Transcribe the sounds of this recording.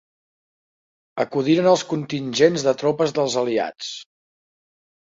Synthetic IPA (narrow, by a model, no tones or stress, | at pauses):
əkuðiɾənəlˠskunt̪inʲʒenzðət̪ɾopəzðəlˠzəlia̰t͡s